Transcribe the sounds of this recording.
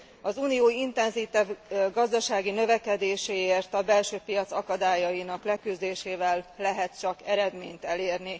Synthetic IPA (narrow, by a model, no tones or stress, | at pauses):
ɒzuːnijoːint̪ɛnzit̪ɛvɡɒzd̪ɒʃaːɡinø̞vɛkɛd̪eːʃeːeːrt̪ɒbɛlʃøːpijɒt̪sɒkɒd̪aːjɒjinɒklɛkyzd̪eːʃeːvɛlːɛɦɛt̪t͡ʃɒkɛɾɛd̪mḛːɲt̪ɛleːrni